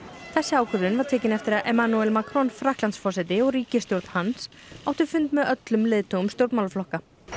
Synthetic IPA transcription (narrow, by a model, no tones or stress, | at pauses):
θɛsːɪaːwkʏvðʏnvaɾ̥t̪ʰɛːcɪnɛft̪ɪɾaʔɛmanuɛlmakʰɾɔnfɾahklant̪sfɔsɪt̪ɪɔɣɾiːcɪst̪jowɾt̪n̥hansaːwht̪ʏ̥fʏnt̪mɛðœt̪lʏmlɪːðt̪uɣʏmst̪jowɾt̪mawlʏflɔhka